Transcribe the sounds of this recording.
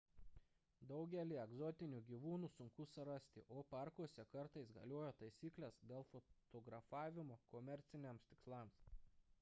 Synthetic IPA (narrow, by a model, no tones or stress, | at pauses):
d̪ɒʊɡʲɛlʲiːɛɡzɔt̪ʲɪnʲuːɡʲiʋuːnuːsʊŋkʊsɐɾɐsʲt̪ʲɪʔoːpɑˑɾkuɔsʲɛkɐɾt̪ɐɪsɡɐ̰lʲoːjoːt̪ɐɪsʲiːklʲɛsd̪ʲeːlˠfot̪oɡɾɐfɑːʋʲɪmoːkɔmʲɛɾʲt̪sʲɪnʲemst̪ʲɪkslˠɑms